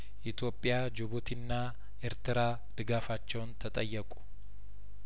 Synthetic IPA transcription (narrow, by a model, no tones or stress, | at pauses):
ʔɪt̪joːpʼːɪjaːd͡ʒʊbʊt̪ɪnːaː | ɛɾt̪ɪɾaː | d̪̥ɪɡaːfat͡ʃːoːnt̪ɐt̪ʼɐjːɐkʼʊ̥